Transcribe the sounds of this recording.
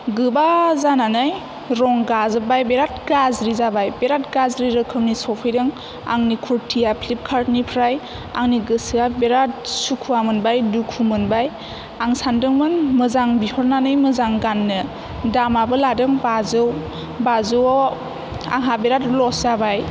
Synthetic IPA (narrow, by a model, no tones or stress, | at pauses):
ɡɯbazananɯj | ɾɔŋɡazɯbajbeɾat̚ɡazɾizabajbeɾat̚ɡazɾiɾɯkʰɯmnisɔpʰɯjdɯŋ | a̰ŋnikʰuɾtʰijapʰlip̚kʰaɾtnipʰɾaj | aŋniɡɯsɯabeɾat̚sukʰuamɯnbajdukʰumɯnbaj | aŋsandɯŋmɯnmɯzaŋbihɔɾnanɯjmɯzaŋɡanːɯ | damabɯladɯŋbazɯw | bazɯwɔ | a̰ŋɦabeɾatlɔszabaj